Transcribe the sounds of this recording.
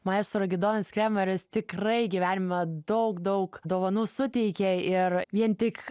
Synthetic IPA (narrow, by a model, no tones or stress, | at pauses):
mɐeːst̪oɾɐɡʲɪd̪oːnʲɐskɾʲæːmɐɾʲɪst̪ʲɪkrɐɪɡʲiʋʲæːnʲɪmɐd̪ɐʊkd̪ɐʊkd̪oːʋɐnuːsʊt̪ʲɛɪkʲeɪɾʋʲiɛnt̪ʲɪk